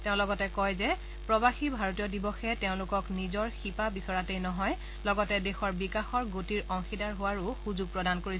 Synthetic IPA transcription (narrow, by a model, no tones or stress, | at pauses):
tɛʊ̃lɔɡɔtɛkɔjzɛ | pɹɔbaxibʱaɹotijɔdibɔxɛteʊ̃lʊkɔknizɔɹxipabisɔɹatejnɔɦɔj | lɔɡɔtɛdexɔɹbikaxɔɹɡotiɹɔŋxidaɹɦʊwaɹuxuzuɡ̚pɹɔdankoɹis